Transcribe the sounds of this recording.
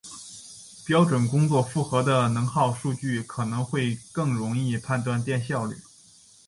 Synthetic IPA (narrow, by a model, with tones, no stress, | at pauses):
pjɑ˥ʊʈ͡ʂwə˨˩nkʊ˥ŋt͡swɔ˥˧fu˥˩xɤ˧˥d̪ə˧nɤ˧˥ŋxɑ˥˧ʊʂu˥˧t͡ɕy˥˩kʰɤ˨˩nɤ˧˥ŋxwe˥˧ɪkɤ˥˩ŋɻʊ˧˥ŋi˥˧pʰa˥˧nt̪wa˥˧nt̪jɛ˥˧nɕjɑ˥˧ʊly̰˥˩